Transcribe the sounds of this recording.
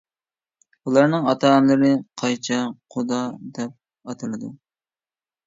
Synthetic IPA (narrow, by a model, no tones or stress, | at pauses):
ulˠɑɾnɨŋɑt̪ʰɑʁnlˠɨɾɨqʰɑjt͡ʃʰɑqʰʊd̪ɑd̪ɛp̚ | ɑt̪ʰɨlˠɨd̪u